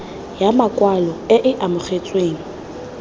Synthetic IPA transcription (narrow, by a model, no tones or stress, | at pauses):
jamakʼwalɔɪʔɪʔamʊχet͡sʼweːŋ̩